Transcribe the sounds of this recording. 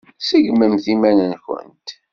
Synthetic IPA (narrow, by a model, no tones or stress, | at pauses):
səʝməmθimænənçə̰nt̪